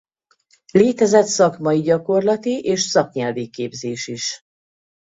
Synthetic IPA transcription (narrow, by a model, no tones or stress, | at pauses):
leːt̪ɛzɛt̪sɒkmɒjiɟɒko̞rlɒt̪iʔeːʃsɒkɲɛlvikeːbzeːʃiʃ